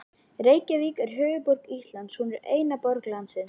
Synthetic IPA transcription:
reːjcaviːkɛɾ̥ɦœːɣʏpɔɾkist̪lant̪shunɛɾeːjnapɔɾklansɪn

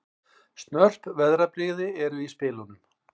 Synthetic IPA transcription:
st̪nœr̥pvɛðɾapɾiɣðɪɛɾʏispɪːlnʏm

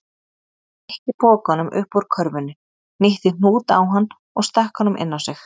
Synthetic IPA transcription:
ɛhcɪpɔːkɔnʏmʔʏ̰hpɔɾkʰœɾvʏnːʏ | nɪht̪ɪn̥uːt̪a̰wɦanː | ɔɣst̪ahkɔnʏmʔɪ̰nːawsɪx

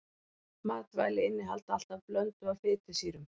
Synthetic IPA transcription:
maːt̪va̰ːjlɪɪnːɪɦa̰lt̪al̥t̪avplœnt̪ʏavfɪːt̪ɪsiːɾʏm

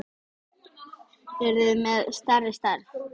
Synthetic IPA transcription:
ɛɾðʏmɛðst̪arɪst̪aɾ

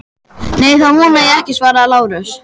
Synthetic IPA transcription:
neːjθahunajɛɛhcɪsvaːɾaːlaːwɾʏs

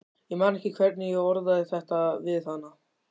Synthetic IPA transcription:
jɛmaːnɛhcɪkʰvɛɾt̪nɪjɛɣɔɾðaðɪθɛht̪avɪðθanːa

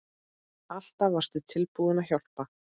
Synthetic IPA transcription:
al̥t̪avar̥st̪ʏt̪ʰɪlpuðɪnaçawr̥pa

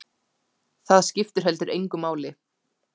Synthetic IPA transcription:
θaðscɪft̪ʏɾ̥ɦɛlt̪ʏɾejŋkʏmːaːwlɪ

